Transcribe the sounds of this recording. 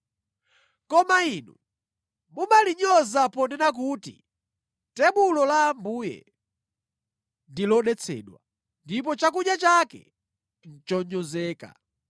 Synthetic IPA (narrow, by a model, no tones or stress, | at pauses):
kɔmainṵ | mumaliɲɔzapɔndɛnak̬uːtḭ | tɛɓulɔlambuːjɛ̰ | ndilɔɗɛt͡sʰɛ̰ːɗwa | ndip̬ɔt͡ʃak̬uɲat͡ʃakɛ̰ | n̩t͡ʃɔɲɔzɛːka̰